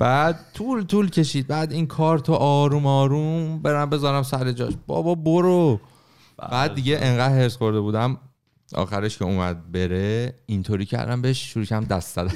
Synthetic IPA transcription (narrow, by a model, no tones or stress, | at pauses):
b̥æːd̪̚t̪ʰuːlt̪ʰuːlcʰe̞ʃiːd̪̚bæːd̪iːŋkʰɒːɾt̪ʰoʔɒːɾumɒːɾumbe̞ɾæmbe̞zɒːɾæmsæɾed͡ʒɒ̰ːʃb̥ɒ̰ːbɒboɾo | b̥æːd̪ːiɟeʔeŋɢæd̪heɾsxo̞ɾd̪e̞buːd̪æm | ɒ̰ːxæɾeʃcʰeumæd̪̚be̞ɾeint̪ʰoːɾiːcʰæ̰ɾd̪æ̰mbeʃʃuɾuːcʰæmd̪æst̪zæd̪æ